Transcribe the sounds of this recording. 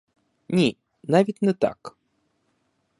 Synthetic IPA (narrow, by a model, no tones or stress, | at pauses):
nʲi | navʲit̪ʲnɛt̪a̰k